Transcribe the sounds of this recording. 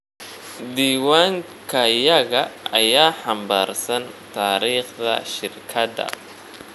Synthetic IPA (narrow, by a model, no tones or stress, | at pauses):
d̪iːwaːŋ | kʰɐjɐɣɐʔɐjaːħɑmbaːrsɐnt̪ʰaːɾiːχd̪ɐ̰ʃɪrkʰɐd̪ɐ̰